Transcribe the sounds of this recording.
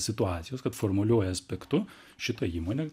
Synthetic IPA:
sʲɪt̪ʊɑːt̪sʲɪjoːskɐt̪foːrmɐlʲuɔjɛɐsʲpʲɛkt̪ʊ | ʃʲɪt̪ɐiːmoːnʲe

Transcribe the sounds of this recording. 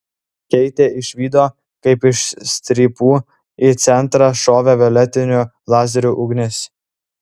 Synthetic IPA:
kʲɛɪt̪ʲeːʔɪʃʲʋʲiːd̪oː | kɐɪpɪʃsʲt̪ʲɾʲiːpuː | it̪sʲɛnˑt̪ɾɑʃoːʋʲɛʋʲɛlʲɛt̪ʲɪnʲʊ | lˠɑːzʲɛɾʲuːʔʊɡnʲɪs

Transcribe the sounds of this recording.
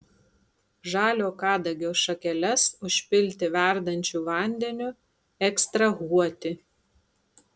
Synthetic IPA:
ʒɑːlʲoːkɑːd̪ɐɡʲoːʃɐkʲɛlʲɛsʊʃʲpʲɪlʲt̪ʲɪʋʲæˑɾd̪ɐnʲt͡ʃʲuːˑʋɐˑnʲd̪ʲɛnʲʊ | ɛkst̪ɾɐɣuɔt̪ʲɪ

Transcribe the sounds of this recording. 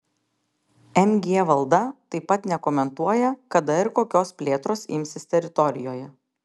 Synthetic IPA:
ɛmʲɡʲeːʋɐlˠd̪ɐt̪ɐɪpːɐt̪nʲɛkomʲɛnt̪uɔjɛkɐd̪ɐɪɾkoːkʲoːspʲlʲeːt̪ɾoːsɪ̰mʲsʲɪsʲt̪ʲɛɾʲɪt̪ɔɾʲɪjoːjɛ

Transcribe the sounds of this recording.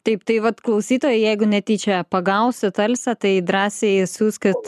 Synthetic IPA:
t̪ɐɪpt̪ɐɪʋɐt̪klˠɐʊsʲiːt̪oːjɛjɛɪɡʊnʲɛt̪ʲiːt͡ʃʲɛpɐɡɐʊsʲɪt̪ɐlʲsʲɐt̪ɐɪd̪ɾɑːsʲesuːskɐt̪

